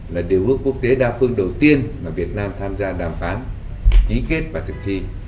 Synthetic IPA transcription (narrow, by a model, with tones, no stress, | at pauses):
laː˨˩ɗi˨˩əwʔɨ˦˥əkːu˦˥ək̚t̪e˨˦ɗaː˧fɨ˧əŋɗə˨˩wt̪i˧ənmaː˨˩vi˨˩ət̚naː˧mt̪ʰaː˧mzaː˧ɗaː˨˩mfaː˨˦n | ki˨˦ke˦˥t̚vaː˨˩t̪ʰɨ˨˩k̚t̪ʰi˧